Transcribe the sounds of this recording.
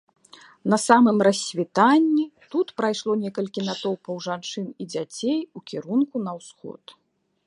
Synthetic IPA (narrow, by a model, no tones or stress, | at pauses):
nɐsamɨmrɐsʲvʲit̪anʲːit̪ut̪pɾajʂlˠɔnʲɛkɐlʲkʲinat̪ɔwpɐwʐant͡ʂɨnid͡zʲat͡sʲejukʲiɾunkun̪ɐwsxɔ̰t̪